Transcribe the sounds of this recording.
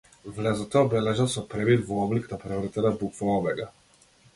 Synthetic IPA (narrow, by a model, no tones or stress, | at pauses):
vlɛzɔt̪ɔɔbɛlɛʒasɔpɾɛbilvɔɔblikd̪apɾɛvr̩t̪ɛnabukvaɔvɛɡa